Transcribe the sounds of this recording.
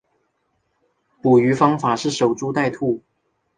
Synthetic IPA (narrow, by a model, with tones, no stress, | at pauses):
pu˨˩y˧˥fɑ˥ŋfa˨˩ʂɻ̩˥˩ʂo˨˩ʊʈ͡ʂu˥t̪a˥˧ɪt̪ʰu˥˩